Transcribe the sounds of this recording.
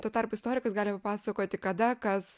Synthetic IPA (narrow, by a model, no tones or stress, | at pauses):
t̪uoɔt̪ɑrpʊɪst̪oːɾʲɪkɐsɡɑːlʲɪpɐpɑːsɐkoːt̪ʲɪkɐd̪ɐkɐs